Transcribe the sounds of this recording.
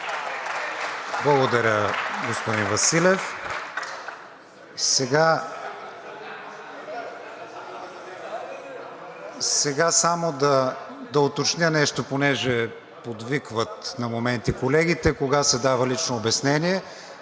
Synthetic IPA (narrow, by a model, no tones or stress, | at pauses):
blˠɐɡod̪ɐɾʲəɡospod̪invɐsilʲɛf | sɛɡa | sɛɡasamod̪ɐ | d̪ɐot̪ot͡ʃnʲjənɛʃt̪oponɛʒɛ | pod̪vikvət̪nɐmomɛnt̪ikolɛɡ̟it̪ɛkoɡasɛd̪avəlit͡ʃnoːbɛsnɛniɛ